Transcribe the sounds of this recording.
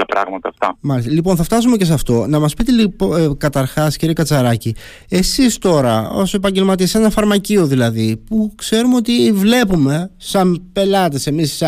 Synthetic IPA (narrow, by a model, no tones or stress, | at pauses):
lɐpɾɐ̰ɣmɐt̪ɐːft̪ɐ̰mɐɾest̪elipo̞nθɐft̪ɐsumece̞s̬ɐft̪o̞nɐmɐspit̪elipkɐt̪ɐɾxɐsciɾiekɐt͡sɐɾɐci | e̞sist̪o̞ɾɐo̞̰se̞pɐɲɟe̞lmɐt̪iɐse̞nɐfɐɾmɐcio̞ðilɐðipukse̞ɾumeo̞t̪ivle̞pume̞sɐmpe̞lɐt̪ese̞mis